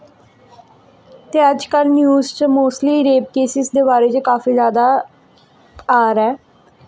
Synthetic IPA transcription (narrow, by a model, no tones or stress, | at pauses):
t̪eːəd͡ʒkəlnjuːzt͡ʃmoːst̪liːɾeːp̚keːsɪsd̪eːbaːɾeːt͡ʃkaːfiːzjaːd̪aː | aːɾɛː